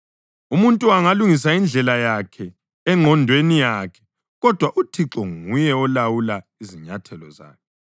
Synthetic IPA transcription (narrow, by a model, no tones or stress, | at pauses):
umuntʼuaŋaluŋis̬aind͡ɮʱɛlajakʰɛ | ɛŋ͡ǃʱɔndʱwenijaːkʰɛ̥ | ɣɔd̥ʱwaʔutʰiǁɔŋujɛɔlawula | iziɲatʰɛlɔ̰za̰ːkʰɛ